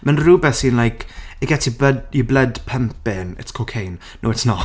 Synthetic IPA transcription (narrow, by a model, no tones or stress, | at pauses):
mənruːbɛθinlajkʰeɡɛtʰibədiblədpʰəmp̚ɪnɪ̰tskʰokʰejnːoɛtsnɔ